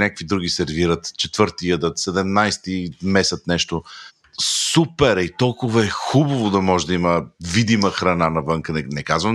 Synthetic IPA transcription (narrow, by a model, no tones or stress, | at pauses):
nʲakə̥kvid̪ɾuɡ̟isɛɾviɾət̪t͡ʃɛt̪vɤɾt̪iəd̪ət̪sɛd̪ɛmnajst̪imɛsət̪nɛʃt̪o | supɛɾɛit̪ɔlˠkʊvɐɛxubɐvod̪ɐmɔʒɛd̪ɐiməvid̪iməxɾɐnanɐvɤŋkənɛnɛkazvə